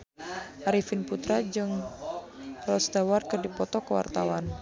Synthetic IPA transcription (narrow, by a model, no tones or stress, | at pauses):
ʔaɾifinput̪ɾad͡ʒɨŋ | rɔsd̪awarkərdipɔt̪ɔkəwa̰rt̪awan